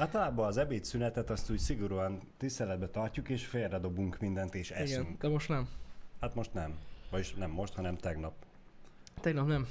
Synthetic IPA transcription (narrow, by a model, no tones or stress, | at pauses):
aːlt̪ɒlaːbɒːzɛbeːt̪synɛt̪ɛt̪ɒst̪uːcsiɡoɾuɒnt̪ist̪ɛlɛd̪̚bɛt̪ɒrcukeːʃfeːrːɛd̪o̞buŋkmind̪ɛnt̪eːʃɛsɛyŋk̪ɛmoʃt̪nɛmhat̪mo̞ʃt̪nɛmvɒjiʃnɛmːo̞ʃt̪hɒnɛmt̪ɛɡnɒp | t̪ɛɡnɒpnɛm